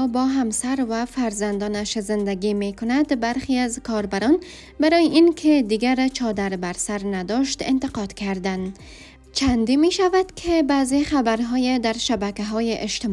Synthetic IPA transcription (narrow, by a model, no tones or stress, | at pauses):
bɔɦamsaɾvafaɾzand̪ɒnaʃzɪnd̪aɡimekʊnad̪baɾxiazkʰɒɾbaɾɒn | baɾɔjeʔinkʰed̪iɡaɾt͡ʃʰɒd̪aɾbaɾsaɾnad̪ɔʃt̪ɪ̰nt̪ɪqɒd̪kʰaɾd̪an | t͡ʃʰand̪imeʃavad̪̥kʰebazexabaɾɦɔjed̪aɾʃabakaɦɔjeʔɪʃt̪ɪ